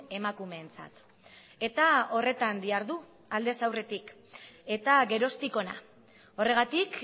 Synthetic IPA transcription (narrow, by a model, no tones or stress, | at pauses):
e̞makume̞ːnt͡sa̰t̪ | e̞t̪ao̞re̞t̪and̪iaɾðu | ald̪e̞sawre̞t̪ik | e̞t̪aɣe̞ɾo̞st̪iko̞na̰ | o̞re̞ɣ̞at̪ik